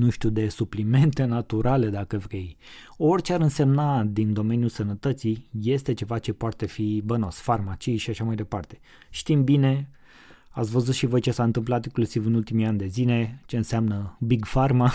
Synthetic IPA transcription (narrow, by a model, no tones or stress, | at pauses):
nuʃt̪ud̪e̞suplime̞nt̪e̞nat̪uɾale̞d̪akəvɾej | o̞rʲt͡ʃeaɾɨnse̞mnad̪ind̪o̞me̞njusənət̪ət̪sije̞st̪e̞t͡ʃe̞vat͡ʃe̞poat̪e̞fibəno̞sfarmat͡ʃijʃiaʃamajd̪e̞part̪e̞ | ʃt̪imbine̞ | at̪sʲvəzut̪ʃivo̞jt͡ʃe̞saɨnt̪ɨmplat̪iŋklusivɨnult̪imiand̪e̞zine̞t͡ʃe̞ɨnseamnəbiɡfarma